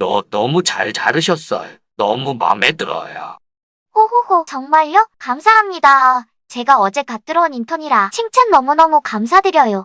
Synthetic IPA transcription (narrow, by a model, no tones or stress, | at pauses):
nʌnʌmut͡ɕaɭt͡ɕaɾɯɕʰʌs͈ʌ̰jo | nʌmuma̰metɯɾʌ̰ja̰ | hohohot͡ɕʌŋmaɭjʌkamsʰaɦamɲida | t͡ɕe̞ɡaʌd͡ʑe̞kat͈ɯɾʌunintʰʌɲiɾat͡ɕʰiŋt͡ɕʰʌnːʌmunʌmukams̬ʰadɯɾjʌjo